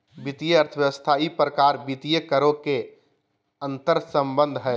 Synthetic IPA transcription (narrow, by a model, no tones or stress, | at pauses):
bit̪ijəəɾt̪ʰəʋjəʋəst̪ʰaipɾəkaːɾbit̪ijəkəɾõke | ə̃nt̪əɾsə̃mbə̃nd̪ʱɦɛ